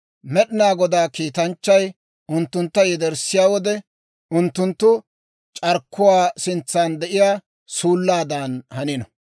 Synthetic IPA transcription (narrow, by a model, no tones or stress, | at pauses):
mɛɗɪnaːɡɔd̪aːkiːt̪ɐnt͡ʃːɐj | ʊnt̪ːʊnt̪ːɐjɛd̪ɛɾsɪjaːwɔd̪ɛ | ʊnt̪ːʊnt̪ːʊ | t͡ʃʼɐɾkːʊwaːsɪnt͡sːaːnd̪ɛʔɪjaː | suːlːaːd̪aːnhɐnɪnɔ